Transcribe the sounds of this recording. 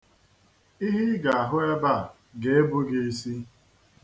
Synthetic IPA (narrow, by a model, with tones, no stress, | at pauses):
i˦ɦi˦ɡa˨a˨ɦʊ˦e˦ba˦˨ | ɡe˦e˦bʊ˦ɡe˨e˦si˦